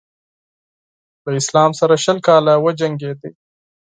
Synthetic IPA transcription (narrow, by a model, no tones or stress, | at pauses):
ləɪslɑːmsaɾaʃəlkɑːlawəd͡ʒɐŋɡed̪i